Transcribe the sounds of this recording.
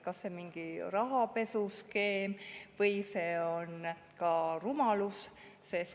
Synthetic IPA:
kɑsːemiŋɡ̥irɑɦɑpe̞suske̞ːmvɤjse̞ːo̞n | kɑrumɑlus | ses

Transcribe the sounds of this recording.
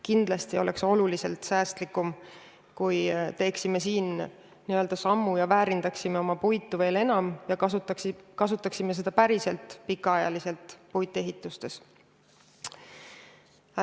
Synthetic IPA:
kind̪̥lɑst̪io̞lʔe̞̰kso̞lulise̞lt̪sæːst̪likːˑum | kujt̪e̞ːksime̞siːn | niø̞ld̪̥ɑsɑmːujɑvæːɾind̪̥ɑksime̞o̞mɑpujt̪ːˑuve̞ːle̞nɑmjɑɑkɑsut̪ˑːɑksime̞se̞d̪̥ɑpæɾise̞lt̪ˑpikːˑɑɑjɑ̰lise̞lt̪ˑpujd̪ˑe̞ɦit̪ːˑust̪e̞s

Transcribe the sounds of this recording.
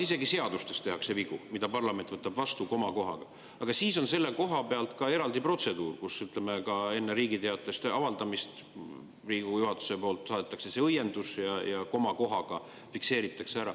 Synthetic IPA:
ise̞ɡise̞ɑd̪̥ust̪e̞st̪e̞ɦɑkseviɡ̥umid̪̥ɑpɑrlɑment̪vɤt̪ːˑɑbvɑst̪uko̞mɑko̞ɦɑ̰ɡ̥ɑ | ɑɡ̥ɑsiːso̞nse̞lːe̞ko̞ɦɑpe̞ɑlt̪kɑe̞ɾɑld̪ipro̞t̪se̞d̪uːrkusyt̪ˑle̞me̞kɑe̞nːeɾiːɡit̪eɑt̪ːˑe̞st̪ɑvɑld̪̥ɑmist̪ | riːɡ̥ujuhɑt̪ːu̥se̞po̞ːlt̪ˑsɑːd̪et̪ˑːɑkse̞seɤjːe̞nd̪usjɑjɑko̞mɑko̞ɦɑɡ̥ɑ | fikse̞ːɾit̪ːˑɑkseæɾɑ

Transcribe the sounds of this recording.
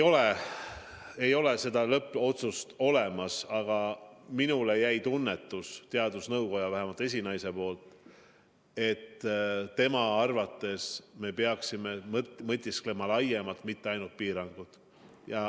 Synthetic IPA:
o̞le | e̞jo̞le̞se̞d̪ɑlɤpːˑo̞t̪sust̪o̞le̞mɑsɑɡ̥ɑminule̞jæjt̪unːe̞t̪ːˑust̪eɑd̪usnɤwko̞jɑvæɦemɑlt̪ːˑe̞s̬ʲinɑjse̞po̞ːlt̪ | e̞t̪ːt̪ːe̞mɑɑrvɑt̪ːˑe̞sme̞peɑksime̞mmɤt̪ʲːˑisklemɑlɑje̞mɑlt̪mit̪ːe̞ɑjnult̪̚piːɾɑŋɡ̥ud̪̥ | jɑ

